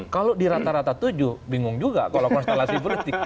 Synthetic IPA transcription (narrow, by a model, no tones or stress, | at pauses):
kalodiɾat̪aɾat̪at̪ud͡ʒuhbiŋʊŋd͡ʒuɡa̰kalokɔnst̪elasibəɾst̪ɪk